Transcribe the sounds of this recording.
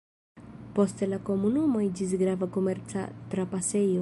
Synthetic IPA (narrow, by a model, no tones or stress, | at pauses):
post̪elako̞munumoid͡ʒis̬ɡɾavakomeɾt͡sa̰t̪ɾapasejo